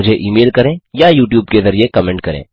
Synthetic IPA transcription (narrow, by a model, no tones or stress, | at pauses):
ʊd͡ʒʱeʔiːmeːlkɐɾẽːjajuːʈ̬juːbkezɐɾiekɐmɛ̃ːɳʈ̚kɐɾḛ̃ː